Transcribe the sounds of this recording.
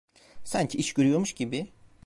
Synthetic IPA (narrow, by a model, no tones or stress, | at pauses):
sæɲcʰiʔiʃcøɾyjoɾmuʃɟibi